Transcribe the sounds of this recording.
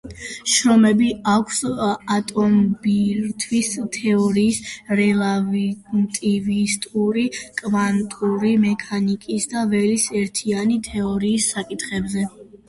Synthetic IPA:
ʃɾɔmɛbiakʰsat̪ʼɔmbiɾt̪ʰwist̪ʰɛɔɾiːsɾɛlˠavt̪ʼivist̪ʼuɾikʼvant̪ʼuɾimɛkʰanikʼisd̪avɛlisɛɾt̪ʰianit̪ʰɛɔɾiːsːakʼit̪χɛbzɛ

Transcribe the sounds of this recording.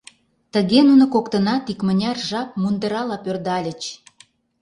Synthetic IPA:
t̪əɣenunŏkokt̪ə̆nɑt̪ikmə̆nʲɑrʒɑp̚mund̪əɾɑlɑpørd̪ɑlʲə̆t͡ɕ

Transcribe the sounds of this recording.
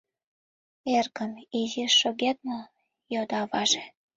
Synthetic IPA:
erkəmiʒiʃoɣet̪̚mo | jod̪ɑβɑʒe

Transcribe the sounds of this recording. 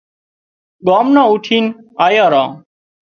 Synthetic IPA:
ɠaːmnãːuːʈʰiːnaːjãːɾãː

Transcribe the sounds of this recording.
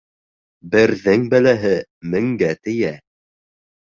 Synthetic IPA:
bɘ̆ɾðɘŋbælæɦɘmɘ̆ŋɡæt̪ɘ̆jæ

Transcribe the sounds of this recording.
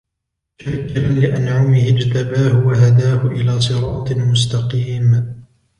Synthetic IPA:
ʃaɾkːalɪʔanʕʊmɪhɪd͡ʒt̪abaːhʊwaɦad̪aːhʊʔɪlaːsˤɨɾˤɑːt̪ˤmʊs̬t̪ɑqiːm

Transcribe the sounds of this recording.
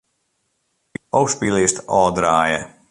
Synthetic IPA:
ɔwspiːlist̪ɔːd̪ɾaːjɛ

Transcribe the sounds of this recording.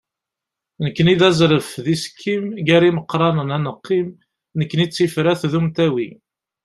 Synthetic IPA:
nəkːəniðæzɾəfðiskʰːimʝæɾiməqːɾˤɑnənænəqːim | nəkːənit͡sːifɾæθðumt̪æwi

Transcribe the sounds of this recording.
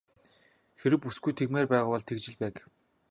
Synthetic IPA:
xeɾɘ̆kːusɡujt̪ʰeɣmeːrpæːʁʊːpɔɮt̪ʰekt͡ɕɪ̆ɮpæːk

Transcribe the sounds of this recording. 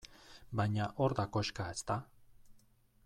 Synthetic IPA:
baɲaʔoɾd̪akoʃkaest̪a

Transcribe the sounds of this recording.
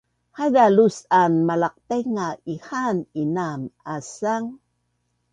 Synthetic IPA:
hajdalusanmalaq̚t̪eŋaihaninamasaŋ

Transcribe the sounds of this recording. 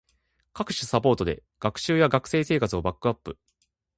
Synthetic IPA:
kakɯ̟̥ɕisapo̞ːt̪o̞d̪e̞̰ | ɡ̥akɯ̟̥ɕɨːjaɡakɯ̟̥se̞ːse̞ːkat͡sɨo̞bakːɯ̟apːɯ̟

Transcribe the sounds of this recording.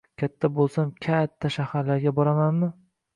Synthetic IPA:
kʲʰat̪ʰːabolˠsamkʲʰat̪ʰːaʃahaɾlaɾɡʲabɒɾamanmɪ

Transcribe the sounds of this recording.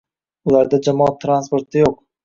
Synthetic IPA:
ʊlaɾd̪ad͡ʒamɒɑt̪ʰːɾanspo̞ɾt̪ɪjoq̚

